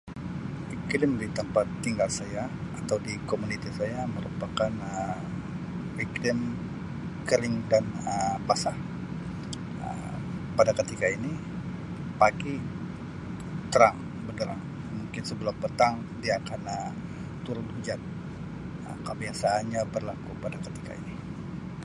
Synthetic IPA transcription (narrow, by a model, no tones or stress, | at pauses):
fiklɪmdit̪əmpat̪ːiŋɡalsajaat̪awdikomunit̪isajaməɾupakanə | viklɪm | kəɾɪŋdanəpasah | ə̰ | padakət̪ikaini | paɡi | t̪əɾaŋ | bədəɾa̰ŋ | muŋkɪnsəbəlapət̪aŋ | diakanəm | t̪uɾʊt̪hud͡ʒat̪̚ | ə̰kəbiasaːnɲabərlakupadakət̪i̥ka̰ḭni